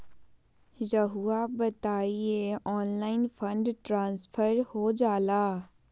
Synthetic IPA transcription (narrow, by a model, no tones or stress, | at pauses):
ɾəɦuabɐt̪aːieɔːnlaːɪnfʰə̃ɳɖʈɾãːnspʰəɾhod͡ʒaːlaː